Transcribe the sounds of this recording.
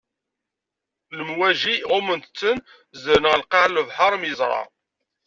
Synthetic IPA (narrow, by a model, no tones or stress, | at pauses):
ləmwæʒiʁʊmənt̪t͡sːən | zəɾnʁəlqɑʕlvħɑɾˤmjəzˤɾˤɑ̰